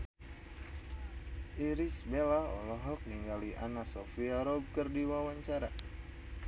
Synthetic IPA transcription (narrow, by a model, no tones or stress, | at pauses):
ʔiɾisbelaɔ̰lɔɦɔk̚niŋɡaliʔanasɔfiaɾɔb̚kərdiwawaɲt͡ʃaɾa